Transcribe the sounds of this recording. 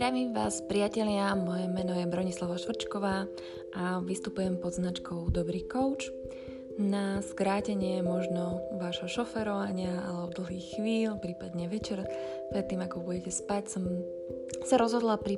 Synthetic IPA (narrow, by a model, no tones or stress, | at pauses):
ɾamiʋaːspɾiacɛʎɪamɔjɛmɛnɔjɛbɾɔɲislˠaʋaʃʋɾ̩t͡ʃkɔʋaː | ʔaʋist̪upujɛmpɔd̪znat͡ʃkɔʊd̪ɔbɾiːkɔʊt͡ʃ | naskɾaːcɛɲɪɛmɔʒnɔʋaːʒɦɔʃɔfɛɾɔʋaɲɪaalɛbɔd̪l̩ˠɦiːxxʋiːlpɾiːpad̪ɲɛʋɛt͡ʃɛɾ | pɾɛt̪ːiːmakɔbuɟɛcɛspacsɔm | saɾɔzɦɔd̪lapɾi